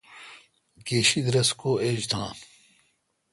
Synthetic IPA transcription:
keɕid̪ɾɐskoːʔeːd͡ʑt̪ʰãː

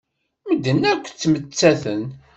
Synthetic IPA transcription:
məd̪ːənːækʷːt͡sːmət͡sːæθən

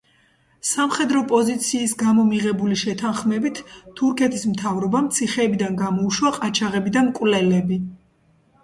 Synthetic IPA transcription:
samχɛd̪ɾɔpʼɔzit̪sʰiːsɡamɔmiʁɛbuliʃɛt̪ʰanχmɛbit̪ʰːuɾkʰɛt̪ʰismt̪ʰavɾɔbamt̪sʰiχɛːbid̪anɡamɔuʃwaqʼat͡ʃʰaʁɛbid̪amkʼwlɛlɛbi

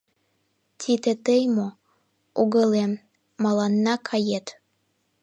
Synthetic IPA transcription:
t̪ʰid̪ĕt̪əjmo | uɣəlemː | ɑlɑnːɑkʰɑjet̪

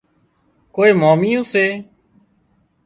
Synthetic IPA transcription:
koːeːmaːmiːõːseː

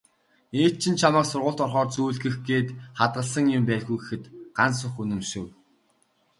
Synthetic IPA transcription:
eːt̪̚t͡ɕʰɪ̆nt͡ɕʰamaːksʊrʁʊ̆ːɮt̪ɔrχɔːrt͡suːɮɣɘ̆xɡeːt̪χat̪̚ɢə̆ɮsə̆ŋjʊmpæːɮɣɡujɡexɘ̆t̪ɢ̥ansʊ̆χunɵ̆mʃɘ̆w

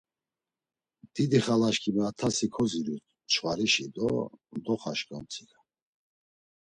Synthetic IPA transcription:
d̪̥id̪iχalaʃkʰimɛat̪ʰasikʰɔziɾut̪ʰ | t͡ʃʰwaɾiʃid̪ɔ̰md̪ɔχaʃkʼamt͡sʰiɡa

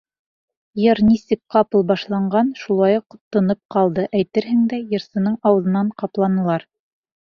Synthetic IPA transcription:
jɤɾnisɘk̚qɑpɤlˠbɑʃlˠɑɴɢɑnʃulˠɑjuq̆ːt̪ːɤ̆nɤp̚qɑlˠd̪ɤʔæjt̪ɘɾɦɘŋd̪æjɤ̆ɾsɤ̆nɤɴɑwɤ̆ðɤ̆nɑɴqɑplˠɑnɤ̆lˠɑɾ

